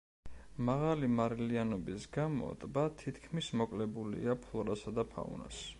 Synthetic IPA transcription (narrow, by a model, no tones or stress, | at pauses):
maʁalimaɾɛlianɔbisɡamɔ̰t̪ʼbat̪ʰit̪ʰkʰmismɔkʼlɛbulḭapʰlˠɔɾasad̪apʰa̰ṵna̰s